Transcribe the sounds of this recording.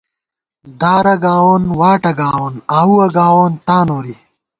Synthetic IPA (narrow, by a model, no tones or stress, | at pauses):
d̪aːɾɐɡaːwoːnwaːʈɐɡaːwoːnaːwuɐɡaːwoːnt̪aːnoːɾi